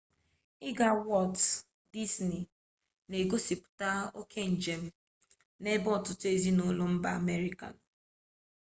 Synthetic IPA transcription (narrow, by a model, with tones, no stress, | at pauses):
ɪ˦ɡa˨wɔ˦˨t | di˦sni˨ | ne˨ɡo˦si˨pʊ̥˨ta˦o˦kʰe˦n̩˨d͡ʒe˨m̩˦ | ne˦bɔ˦˨tʊ˨te˦zi˦nʊ˦lʊ˦m̩˦ba˦˨me˦ɾi˦ka̰˨n̩˨